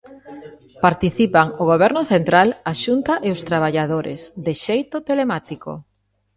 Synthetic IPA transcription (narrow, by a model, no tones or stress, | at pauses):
paɾt̪iθipaŋʊɣoβ̞ɛɾnʊθent̪ɾalaʃunt̪aʔeʊst̪ɾaβ̞aʎaðoɾḛsðɪʃejt̪ʊt̪elemat̪iko̰